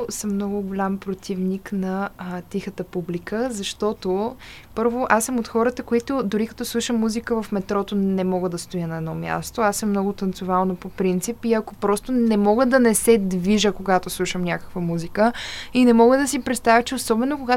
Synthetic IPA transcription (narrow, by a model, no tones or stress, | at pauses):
səmːnɔɡʊɡʊlʲampɾot̪ʰivniknɐt̪ʲixət̪əpublikʰəzɐʃt̪ɔt̪o | pɤɾvoʔasəmot̪xɔɾət̪əkoit̪ʊd̪ʊɾikɐt̪ɔslˠuʃəmːuzikəvɐfmɛt̪ɾɔt̪onɛmɔɡəd̪ɐst̪ojənɐɛd̪nɔmʲja̰st̪oasəmːnɔɡʊt̪ɐnt̪sʊvalˠnopopɾint̪sipiɐkopɾɔst̪onɛmɔɡəd̪ɐnɛsɛd̪viʒəkoɡat̪oslˠuʃəmnʲakə̥kvəmuzikəinɛmɔɡəd̪ɐsipɾɛt̪st̪avʲət͡ʃɛosɔbɛnokoɡa